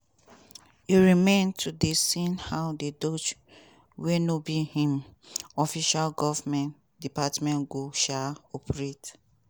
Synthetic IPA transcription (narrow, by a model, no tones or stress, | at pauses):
iɹimẽntʰudesĩnhaʊdedot͡ʃ | wenobihĩmɔfiʃalɡɔvmɛ̃n | dipatmɛ̃nɡoʃaɔpʰɹet